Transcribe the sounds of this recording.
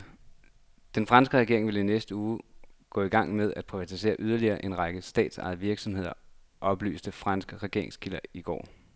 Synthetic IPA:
d̥enfʁɑ̈nsɡ̥əʁɛɡ̥e̝ɐ̰e̝ŋʋe̝linesd̥əuːɡ̥ɔ̰̽ːiɡ̥ɑ̈ŋ̰með̞ˠæd̥̚pʰʁiʋæt͡sʰise̝̰ːɐʔyð̞ˠɐliɐːʔe̝nʁɑ̈ɡ̥əsd̥ɛ̰ːd̥sɑ̈ɪðˠəʋiɐɡ̥sɒ̽mɦe̝ð̰ˠɐ | ʔɒ̽b̥ly̰ːsd̥əfʁɑ̈nsɡ̥əʁɛɡ̥e̝ɐe̝ŋskʰilɐiɡ̥ɒ̰ː

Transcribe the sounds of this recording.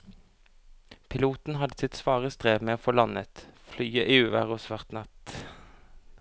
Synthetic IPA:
pʰɪluːt̪n̩hɑd̪əsɪt̪sʋɑːʁəst̪ʁeːʋmeːoːfoːlɑnə̰t̪flyːəʔiːʉːʋæ̰ʁosʋæʁt̪nɑt̪

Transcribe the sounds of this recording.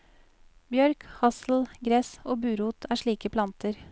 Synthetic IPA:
bjœɾkhɑsl̩ɡɾɛsoːbʉːɾuːt̪ʰæːʂɭiːkəpʰlɑnt̪əɾ

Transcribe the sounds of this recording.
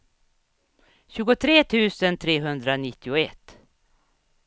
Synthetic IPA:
ɕʉːɡʊt̪ʰɾeːt̪ʰʉ̟ːsənt̪ʰɾeːɦɵnd̪ɾanɪt̪ʰːɪʊɛt̪ː

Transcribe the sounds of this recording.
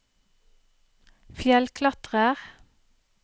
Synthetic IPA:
fjɛlkʰlɑt̪ʁəʁ

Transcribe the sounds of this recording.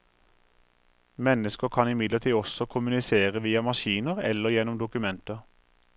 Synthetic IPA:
mɛnəskəʁkʰɑnɪmɪd̪lət̪ʰiːɔsɔkʰʊmʉnɪseːʁəʋiːɑmɑʃiːnəʁɛ̰lːəʁjɛnɔmd̪ʊkʉmɛnt̪ə

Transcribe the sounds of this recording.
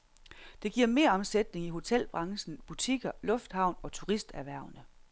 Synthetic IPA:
d̥e̝ɡ̥iɐ̰me̝ːɐɒ̽msed̥ne̝ŋiɦo̝t͡sʰel̰b̥ʁɑ̈ŋsn̩b̥ut͡sʰiɡ̥ɐlɔ̽fd̥hɑ̈ʊ̰nɒ̽t͡sʰuʁisd̥æʋæɐ̰ʊnə

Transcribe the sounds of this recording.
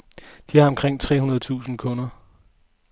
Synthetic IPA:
d̥iɑ̈ɒ̽mkʰʁeŋ̰t͡sʰʁɛ̰ːunɐð̞̩ˠt͡sʰṵːsn̩kʰɔnɐ

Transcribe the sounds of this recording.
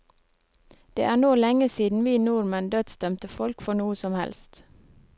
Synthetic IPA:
d̪̥ḛːʔæːɳoːlɛŋəsiːd̪n̩ʋiːnuːɾmɛnd̪øːd̪sd̪œmt̪əfɔlkfɔɳuːəsɔmhɛ̰lst̪

